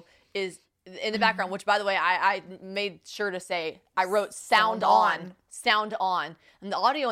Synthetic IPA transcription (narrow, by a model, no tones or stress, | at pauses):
ɪz | ɪ̃nðɨbæk̚ɡ̥ɹãʊ̃nd̚wɨt͡ʃb̥aɪðəweɪaɪʔaɪmeɪd̚ʃʊɹɾɨseɪ | aɪɹoʊtsãʊ̃ndn̩ | sãʊ̃ndñ̩ | n̩ðiɑɾioʊ